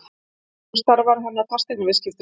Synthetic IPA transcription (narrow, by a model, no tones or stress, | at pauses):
st̪aɾvaɾɦanːat̪ʰḁst̪ɛknavɪðscɪft̪